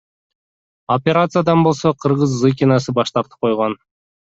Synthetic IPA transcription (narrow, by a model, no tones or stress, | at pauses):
opʲeɾat̪sɨjad̪ɑnbo̞lˠso̞qʰɯɾʁɯzːɨkʲinɑsɯbɑʃt̪ɑɾt̪ɯ̥p̚qʰo̞jʁon